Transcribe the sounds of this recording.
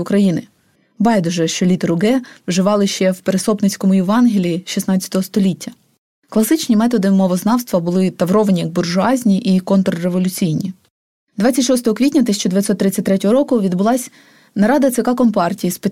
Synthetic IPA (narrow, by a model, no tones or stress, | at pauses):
ʊkɾɐjinɪ | bɑjd̪ɔʒɛʃt͡ʃɔlʲit̪ɾʊɡɛʋwʒɪʋɑlˠɪʃt͡ʃɛwpeɾesɔpnɪt͡sʲkɔmʊjɪʋɑnɦilʲiiʃisnɑt͡sʲt͡sʲɐ̥t̪ɔɦɔst̪ɔlʲitʲːɐ | klˠɐsɪt͡ʃnʲimɛt̪ɔd̪ɪmɔʋɔznɑwst̪ʋɐbʊlˠɪt̪ɐʋɾɔʋɐnʲijɐɡ̚bʊrʒʊɑzʲnʲiʔikɔnt̪ɾɔɾeʋɔlʲʊt͡sʲijnʲi | d̪ʋɑtt͡sʲɐtʲʃɔst̪ɔɦɔkʋʲitʲnʲɐt̪ɪsʲt͡ʃɔd̪eʋʲjɪt̪ʲsʲɔt̪ːɾɪt͡sʲːɐt̚ʲt̪ɾɛtʲɔɦɔɾɔkʊʋʲid̪bʊlˠɑsʲ | nɐɾɑd̪ɐt̪sɪkɑkɔmpɑrtʲijispe